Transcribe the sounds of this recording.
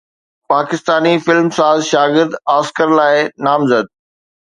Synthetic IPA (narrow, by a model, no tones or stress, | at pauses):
paːkɪst̪aːnifɪlmsaːzʃaːɡɪɾd̪aːskəɾlaːɪnaːmzəd̪̚